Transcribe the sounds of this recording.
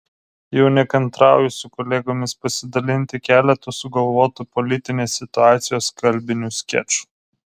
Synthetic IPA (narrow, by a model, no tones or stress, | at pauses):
jɛʊnʲɛkɐnt̪ɾɑˑʊjʊsʲʊkɔlʲeːɡoːmʲɪspɐsʲɪd̪ɐlʲɪnʲt̪ʲɪkʲæːlʲɛt̪ʊsʊɡɐlˠʋoːt̪upɔlʲɪt̪ʲɪnʲeːsʲːɪt̪ʊɑːt̪sʲɪjoːskɐlʲbʲɪnʲusʲkʲɛ̰t͡ʃu̥